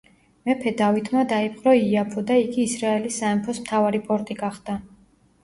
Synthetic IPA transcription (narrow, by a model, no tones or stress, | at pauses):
mɛpʰɛd̪avit̪ʰmad̪aip̚ʼqʼɾɔiapʰɔd̪aiɡiːsɾaɛlisːaɛmpʰɔsmt̪ʰavaɾipʼɔɾt̪ʼiɡaχd̪a